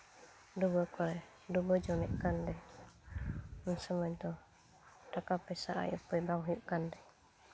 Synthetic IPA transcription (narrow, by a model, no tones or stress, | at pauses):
dubəkɔɾɛ | dubəd͡ʒɔmɛʔkandɛ | mənsəməɲt̪ɔ | dakapɛsaʔa̰jupəjbaŋɦjuʔkandɛ